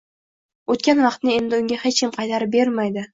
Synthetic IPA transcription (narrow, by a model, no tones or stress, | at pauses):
ot̪kʲanvɑqt̪nɪe̞nd̪ɪʊŋʲahet͡ʃkʲɪmqʰɑjt̪ʰaɾɪbe̞ɾmajd̪ɪ